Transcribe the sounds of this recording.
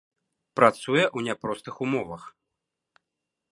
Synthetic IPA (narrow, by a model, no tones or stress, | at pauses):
pɾat̪sujɛʔwnʲapɾɔst̪ɨxumɔvɐx